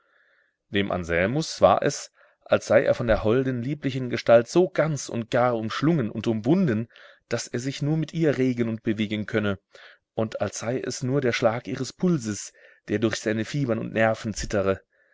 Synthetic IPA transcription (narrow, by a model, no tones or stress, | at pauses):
d̥eːmʔa̰nzɛlmʊsv̥a̰ːɐʔɛ̰s | ʔalsz̥aɪʔḛːɐfɔndeːɐɦɔldn̩liːplɪçənɡəʃtaltz̥oːɡant͡sʊ̰nt̚ɡ̥aːɐʊmʃlʊŋənʊ̰ntʊmvʊndən | d̥aseːɐzɪçnuːɐmɪtʰʔiːɐʁeːɡənʊnt̚b̥əveːɡən̩kʰœnə | ʔʊntʰalsz̥aɪʔɛ̰snuːɐdeːɐʃlaːkʔiːʁəspʰʊlzəsd̥eːɐdʊɐçz̥aɪnəfiːbɐnʊ̰ntnɛɐfn̩t͡sɪtəʁə